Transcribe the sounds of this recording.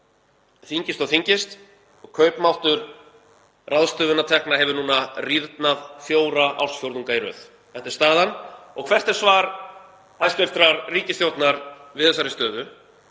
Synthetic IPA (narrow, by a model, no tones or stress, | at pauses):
θiɲcɪst̪ɔɣθiɲcɪst̪ | ɔɣkʰœɥpmawht̪ʏɾ̥ | raðst̪œːvʏnːat̪ʰɛknaɦɛvʏɾnuːnariɾt̪naðθjoːwɾaʔa̰wsfjowɾðuŋkajɾʏ̰θ | θɛht̪ɪ̥ɾst̪aːðanɔɣkʰv̥ɛr̥t̪ɛɾ̥svaːɾ | hajst̪eft̪ɾaɾriːcɪst̪jowt̪naɾvɪðɛsaɾɪst̪œːðʏ